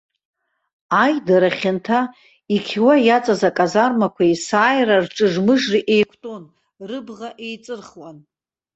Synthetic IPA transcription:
ajdaɾaχʲɪntʰa | ikʲʰiwajat͡sʼazakʼazarmakʷʰaisaːjrarʈ͡ʂʼɨʐmɨʐriʔe̞jkʷʰtʼon | rɨbʁaʔe̞jt͡sʼɨrχwan

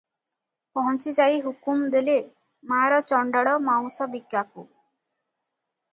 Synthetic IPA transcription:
pɔɦɔnt͡ʃid͡ʒaiɦukumd̪ele | maːɾɔt͡ʃɔɳɖɔɽɔmaŋsɔbiɡjakṵ

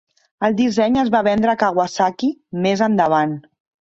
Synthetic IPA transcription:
əlˠd̪isɛɲəzβaβɛnd̪ɾəkaɣwasakimezənd̪əβ̞an

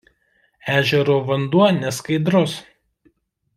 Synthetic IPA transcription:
æːʒʲɛɾoːʋɐnd̪uɔnʲɛskɐɪd̪ɾʊs

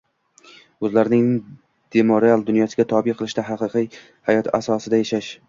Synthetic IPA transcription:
ɵzlaɾnɪŋ | d̪̥emoɾealˠd̪ʊnjɒsɪɡʲat̪ʰɒbɪqʰɨlˠɪʃd̪aɦɑqɨqɨj | hajɒt̪ʰasɒsɪd̪ajaʃaʃ

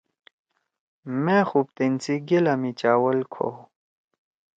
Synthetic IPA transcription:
mẽxup̚t̪int͡siɡelɐmit͡ɕaːwɐlkʰo̰

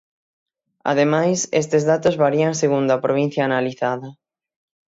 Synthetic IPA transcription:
a̰ðemajsḛst̪ezðat̪ozβaɾiaŋseɣund̪ɐpɾoβ̞in̟θjaːnaliθaðɐ

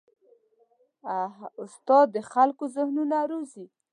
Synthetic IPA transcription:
aɦaʊst̪ɑd̪ːəxalkozəhnunaɾozi

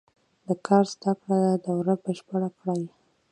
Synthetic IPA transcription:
d̪əkʰɑɾzd̪akɽad̪ad̪awɾabəʃpaɽakɽaj

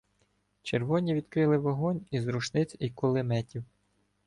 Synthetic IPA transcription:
t͡ʃerʋɔnʲiʋʲid̪kɾɪlˠɪʋɔɦɔnʲizɾuʃnɪt͡sʲikɔlˠɪmɛtʲiw

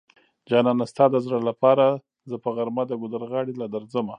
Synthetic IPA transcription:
d͡ʒɑnɑnast̪ɑd̪əzɾalapɑɾa | zəpəɣaɾmad̪əɡʊd̪əɾɣɑɽilad̪aɾzəma

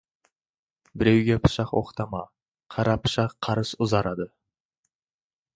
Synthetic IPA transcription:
bɪɾewɡʲepʰʊ̥ʃɑqwo̰qt̪ʰɑmɑ | qʰɑɾʔɑpʰʊ̥ʃɑqʰːɑɾɨsʊzɑɾɑd̪ə

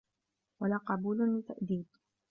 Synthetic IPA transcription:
walaːqɑbuːlʊlɪt̪ːaʔd̪iːd̪

